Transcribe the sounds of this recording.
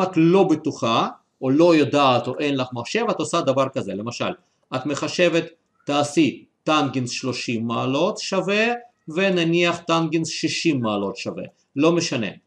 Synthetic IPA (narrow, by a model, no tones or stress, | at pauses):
at̪lo̞bet̪uχa | olojod̪aːt̪oʔenlaχmaχʃe̞vat̪osad̪avaʁkazelemaʃa̰l | at̪meχaʃevet̪ː | aːsiː | anɡinsʃloʃimːaːlot̪ʃave | venaniaχt̪anɡinsʃiʃimːaːlo̞t̪ʃavḛ | lo̞meʃanḛ